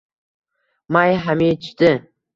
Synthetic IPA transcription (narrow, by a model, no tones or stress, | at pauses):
majɦamit̪ɪ